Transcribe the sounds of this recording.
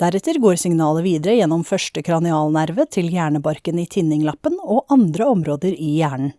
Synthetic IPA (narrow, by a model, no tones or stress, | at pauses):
d̪̥æɾɛt̪əɾɡoːɾsɪŋnɑːləʋiːd̪əɾəjɛnːɔmfœʂʈəkʰɾɑnɪɑːlnæɾʋət̪ʰɪljæːɳəbɑɾkəniːt̪ʰɪnːɪŋlɑpːənɔʔɑnd̪ɾəɔmɾoːd̪əɾɪjæːɳn̩